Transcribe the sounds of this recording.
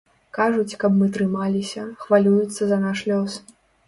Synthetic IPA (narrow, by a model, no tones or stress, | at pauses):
kaʐut͡sʲkɐbmɨt̪ɾɨmalʲisʲɐxvalʲujut̪sːɐzɐnaʂlʲɔs